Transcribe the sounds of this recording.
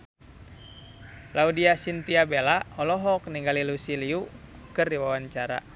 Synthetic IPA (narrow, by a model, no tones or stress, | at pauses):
laudiasint̪iabelaɔlɔɦɔk̚niŋɡalilusiliukɨrdiwawaɲt͡ʃaɾa̰